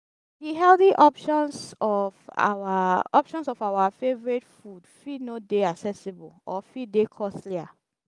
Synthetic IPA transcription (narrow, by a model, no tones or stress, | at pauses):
diɦɛlθiʔɔpʃɔ̃nsɔfa̰waɔpʃɔ̃nsɔfawafevɔɹitfudfinodeaksɛsibɔlɔfidekʰɔstlia